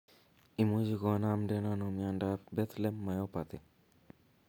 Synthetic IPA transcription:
imud͡ʒikɔnamdɛnanomjandabɛt̪lɛmːajɔpat̪ɪ

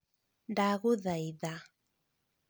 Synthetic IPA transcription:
daɣuðajða

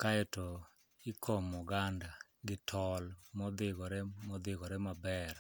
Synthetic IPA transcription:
kaɛto | ɪkʰɔmɔɡanda | ɡɪtʰɔlmɔd̪ɪɡɔɾɛmɔd̪ɪɡɔɾɛmabɛr

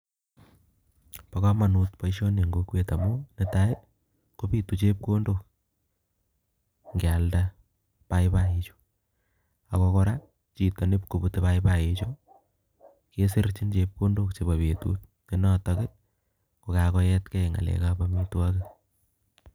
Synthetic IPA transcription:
pakamanut̚paiʃoneŋɡokwetamonɪtaj | kopitut͡ʃep̚kondok̚ | ŋɡalda | pajpait͡ʃo̥ | akokɔɾa | t͡ʃitanɪp̚kobutepajpajet͡ʃo | kesɪɾt͡ʃint͡ʃep̚kondokt͡ʃebaβetṵt̚nenɔtakɪ | kokakɔjɛtkɛŋa̰lɛ̰kabamitwakɪ

